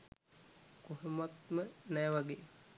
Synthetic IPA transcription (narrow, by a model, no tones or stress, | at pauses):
koɦemat̪̚mənɛːʋaɡeː